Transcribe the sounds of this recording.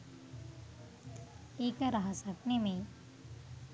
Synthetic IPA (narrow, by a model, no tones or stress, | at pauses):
eːkəɾɐɦasəknemẽ